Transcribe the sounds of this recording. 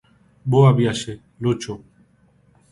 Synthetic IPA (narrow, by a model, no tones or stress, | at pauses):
boabjaʃe | lot͡ʃo